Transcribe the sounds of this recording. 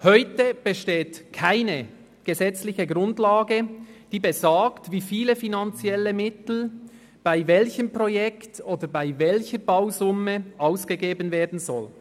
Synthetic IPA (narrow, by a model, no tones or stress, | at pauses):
hœʏtəb̥əʃteːtkʰaɪnə | ɡ̥əzɛt͡slɪçəɡʁʊndlaːɡəd̥iːbezaːktviːfiːləfinant͡sjɛləmɪtl̩ | b̥aɪvɛlçəmpʁojɛktoːdəbaɪvɛlçəɹbaʊzʊməʔaʊsɡ̥əɡeːbənveːɐdn̩zɔl